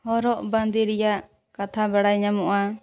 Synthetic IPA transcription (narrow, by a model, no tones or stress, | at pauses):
hɔɾɔʔband̪iɾɛjaʔ | kat̪ʰabaɽajɲamɔʔa